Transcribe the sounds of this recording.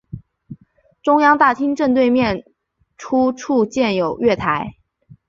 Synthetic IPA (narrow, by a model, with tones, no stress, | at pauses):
ʈ͡ʂʊ˥ŋjɑ˥ŋt̪a˥˩t̪ʰi˥ŋʈ͡ʂə˥˧nt̪we˥˧ɪmjɛ˥˩n | ʈ͡ʂʰu˥ʈ͡ʂʰu˥˧t͡ɕjɛ˥˩njo˨˩ʊɥɛ˥˩t̪ʰa˧˥ɪ